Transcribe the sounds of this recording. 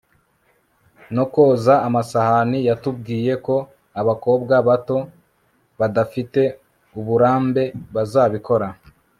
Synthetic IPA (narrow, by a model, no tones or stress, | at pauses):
no̞ko̞ːzaːmasahanijatub̚ɡiːje̞ko̞ | aβako̞ːbɡaβato̞ | βadafite̞ | uβuɾaːmbe̞βazaːβiko̞ɾa